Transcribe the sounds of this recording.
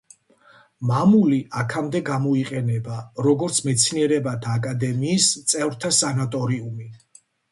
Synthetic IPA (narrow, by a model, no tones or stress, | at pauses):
mamuliʔakʰamd̪ɛɡamɔiqʼɛnɛbaɾɔɡɔɾt̪sʰmɛt̪sʰniɛɾɛbat̪ʰaːkʼad̪ɛmiːst̪sʼɛvɾt̪ʰasanat̪ʼɔɾiumi